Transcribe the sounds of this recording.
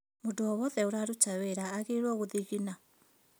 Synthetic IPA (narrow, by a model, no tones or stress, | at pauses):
moduɔβɔðɛoɾaɾut͡ʃaweɾaːɣeɾwɔɣoðiɣina